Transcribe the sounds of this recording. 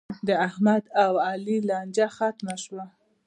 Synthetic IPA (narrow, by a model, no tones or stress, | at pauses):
d̪əahmad̪awɑlilɑnd͡ʒaxat̪maʃwa